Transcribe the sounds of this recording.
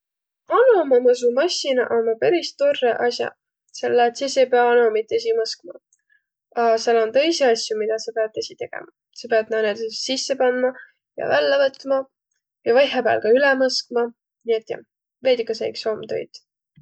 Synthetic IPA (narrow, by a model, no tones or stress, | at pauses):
ɑnɑmɑmɤs̬umɑsʲinɑ̰ʔommɑpæɾist̪orːḛʔɑsʲjɑ̰ | selːɑt̪sisejpeɑɑnomit̪ːˑes̬imɤskmɑ̰ | ɑselːont̪ɤ̞jseɑsʲjumid̪̥ɑsɑpeɑd̪̚t̪ːesʲit̪e̞ɡ̥ḛmɑ | sepeɑd̪̥̚nɑned̪sessisːepɑnmɑ | jɑ̰vælːevɤt̪ˑmɑ | jɑvɑjɦebæ̰ːlkɑylɛmɤsk̚mɑ | niet̪ːˑjɑ̰ | ve̞ːd̪̥ʲikːɑseḭksomt̪o̰jd̪̥